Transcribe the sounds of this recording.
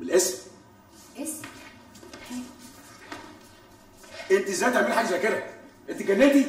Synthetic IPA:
belʔes | ʔent̪izæjt̪ʕamiːħaːɡæzækeɾæʔent̪iɡænːet̪i

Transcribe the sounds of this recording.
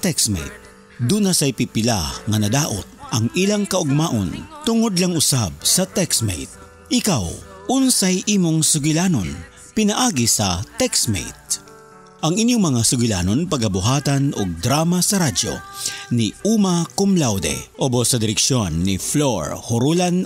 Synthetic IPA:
t̪ɛksmɛ̰jt̪̚ | d̪unasɐjpipɪla̰ŋɐnɐd̪aːʔo̰t̪̚ʔɐŋɪlaŋkɐʔʊɡ̚maːʔo̰nt̪ʊŋod̪lɐŋʊsab̚sɐt̪ɛksmḛjt̪̚ | ʔɪkawʔʊnsajʔiːmoŋsʊɡɪlaːnon | pɪnɐʔaːɡisɐt̪ɛksmḛjt̪̚ | ʔɐŋɪnjoŋmɐŋasʊɡʊla̰ːnonpɐɡkːɐbʊɦaːt̪ɐno̰ɡ̚d̪ɾaːmasɐɾad͡ʒo̰niʔuːmɐkomlawd̪ɛ̰ʔobosɐd̪ɪɾɛkʃjonːifloɹhʊɾulan

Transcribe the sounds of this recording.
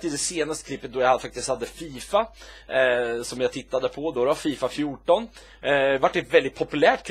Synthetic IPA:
t̪ɪd̪ɛseːnast̪əkʰlɪpːət̪̚d̪ɔjafak̚t̪ɪst̪had̪ːəfiːfa | sɔmjaɡt̪ʰɪt̪ːad̪əpʰɔd̪ɔd̪ɛvaɾfiːfafjuʈɔn | vaʈːɛt̪vɛld̪ɪt̪̚pʰɔpɵlæːʈkʰ

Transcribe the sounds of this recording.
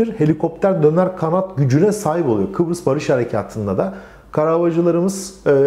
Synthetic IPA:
iɾhe̞lʲikʰo̞p̚t̪ʰæɾd̪ø̞næɾkʰanat̪ɟyd͡ʒynɛsaːɦipo̞lˠujokʰɯbɾɯsbaɾɯʃhaɾe̞cʰa̰ːt̪ʰɯnd̪ad̪a | kʰaɾabad͡ʒɯlˠaɾɯmɯz̥ː

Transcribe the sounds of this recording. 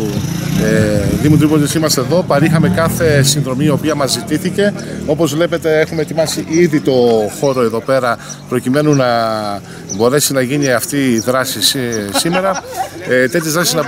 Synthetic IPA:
ðimot̪ɾipoot̪isimɐst̪eðo̞pɐɾixɐme̞kɐθe̞sinðɾo̞mio̞piɐmɐzːit̪iθice̞o̞po̞zvle̞pe̞t̪e̞exumet̪imɐsiʔiðit̪o̞xo̞ɾoeðo̞pe̞ɾɐpɾo̞cime̞nunɐ | bo̞ɾe̞sinɐʝiniɐft̪iðɾɐsissime̞ɾɐ | t̪e̞t̪çɐzðɾɐsisnɐ

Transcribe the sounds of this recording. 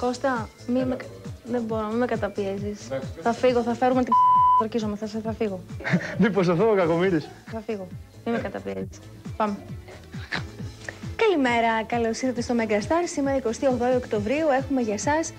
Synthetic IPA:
ko̞st̪ɐ | mimeðeboɾomimekɐt̪ɐpiezisθɐfiɣoθɐfe̞ɾumet̪iɡɐɾçizomeθɐseθɐfiɣomipos̬ɐθoɣokɐkomiɾis | θɐfiɣo | mimekɐt̪ɐpiezis | pɐme | kɐlime̞ɾɐkɐlo̞siθɐt̪est̪o̞meɡɐst̪ɐɾsimeɾɐiko̞st̪iɐoɣðoiokt̪o̞vɾiue̞xume̞ʝɐsɐs

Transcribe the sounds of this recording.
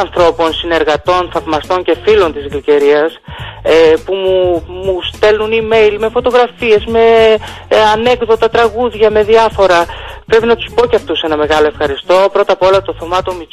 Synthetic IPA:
ɐnθɾo̞po̞nsine̞ɾɣɐt̪o̞nθɐvmɐst̪o̞ɲce̞filo̞nt̪izɣlice̞ɾiɐsepumumust̪e̞lunime̞jlme̞fo̞t̪o̞ɣɾɐfie̞zme̞ | ɐne̞ɡðo̞t̪ɐt̪ɾɐɣuðʝɐme̞ðiɐfo̞ɾɐpɾe̞pinɐt̪u̥spo̞ceɐft̪use̞nɐme̞ɣɐlo̞efxɐɾist̪o̞pɾo̞t̪ɐpo̞lɐt̪o̞θo̞mɐt̪omi

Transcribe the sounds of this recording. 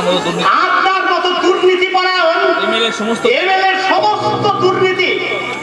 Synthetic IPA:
at̪ɾakkɔt̪od̪uɾnit̪ipɔɾaonemeleɾʃɔmost̪oemeleɾʃɔmost̪od̪uɾnit̪i

